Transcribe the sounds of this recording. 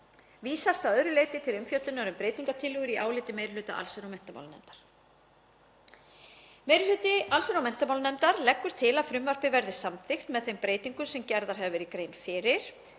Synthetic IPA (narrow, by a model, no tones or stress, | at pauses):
viːsast̪aðœðɾʏleːjt̪ɪt̪ʰɪlʏmfjœt̪lɪnɔɾʏmpɾeːjt̪iŋkat̪ʰɪlːʏɣʏɾiʔaːwlɪt̪ɪmejɾɪlʏːt̪a̰ʔa̰lsɛɾawmɛn̥t̪ama̰wlnɛ̰mt̪aɾ̥ | mejɾʏlʏːt̪ɪalsɾawmɛn̥t̪amaːwlnɛmt̪aɾlɛkːʏɾ̥t̪ʰɪlaðfɾʏmvar̥pɪvɛɾðɪsamθɪxt̪mɛðθejmpɾeːjt̪iŋkʏsɛmcɛɾðaɾ̥ɦɛvvɪɾikɾeːjnfɪːɾɪɾ̥